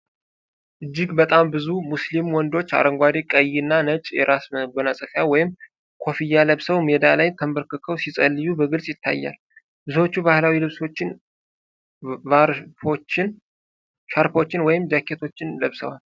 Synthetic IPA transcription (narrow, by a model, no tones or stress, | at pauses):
ʔɨd͡ʒːɪɡbət̪ʼambɨzumuslimwɔnd̪o̞t͡ʃːa̰ɾəŋɡʷad̪ekʼəjːɨnːanət͡ʃʼjɛ̰ɾʔasməbənasʼəfjawɔjɪm | kʰo̞fijːaləβsəwmed̪alajt̪ʰəmbəɾkʰɨkʰəwsisʼəlːɨjubəɡɨlsʼjɪt̪ʰːa̰jːa̰l | bɨzho̞t͡ʃːubahlawilɨβso̞t͡ʃːɪn | vaɾfot͡ʃːɪn | ʃaɾpo̞t͡ʃːɪnwɔjɪmd͡ʒakʰːe̞t̪ʰo̞t͡ʃːɪnləβsə̰wal